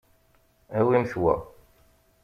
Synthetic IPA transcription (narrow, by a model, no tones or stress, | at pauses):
æwimθwæ̰